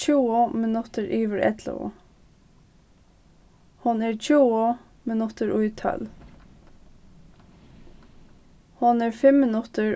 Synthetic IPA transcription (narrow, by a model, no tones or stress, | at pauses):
uːʊmɪnʉt̪əɹʔiːʋəɹɛ̰d̪lə̰ʊ̰ | hɑneːɹc͡çuːə | mɪnʉt̪əɹʔʊɪt̪ʰœ̰l | hɑneːɹfɛmmɪnʉt̪əɹ